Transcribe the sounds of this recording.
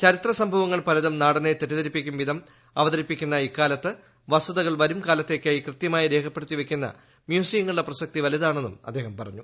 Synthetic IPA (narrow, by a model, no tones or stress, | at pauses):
t͡ɕɐɾit̪rɐsɐmbʱɐʋɐŋːɐɭpɐlɐðɐmnaːɽɐnet̪etːɐðɐɾipːikʲːumʋid̪ʱɐm | ɐʋɐðɐɾipːikʲːunːɐikːaːlɐt̪ːɨ | ʋɐsɐðɐɣɐɭʋɐɾumkaːlɐt̪ːe̞ːkʲːaːjikrɨt̪jɐmaːjiɾe̞ːkʰɐpːe̞ɽut̪ːiʋe̞kʲːunːɐ̰ | mjuːsijɐŋːɐɭɨɽɐprɐsɐk̚t̪iʋɐliðaːɳe̞nːṵmɐd̪ːeːɦɐmpɐrɐ̰ɲːu